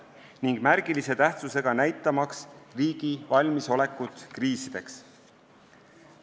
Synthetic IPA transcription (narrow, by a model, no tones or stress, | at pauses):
niŋɡ̥mæɾɡ̥ilise̞t̪æht̪suse̞ɡ̥ɑnæjt̪ːˑɑmɑksriːɡ̥ivɑlʲmiso̞le̞kːˑut̪kriːsid̪̥e̞ks